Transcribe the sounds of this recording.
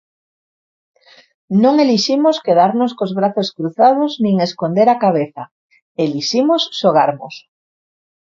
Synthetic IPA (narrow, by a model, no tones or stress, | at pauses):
nõŋeliʃimoskeðaɾnoskozβɾaθoskɾuθað̞oznĩŋeskond̪eɾakaβ̞eθa | eliʃimosːoɣ̞aɾmo̰s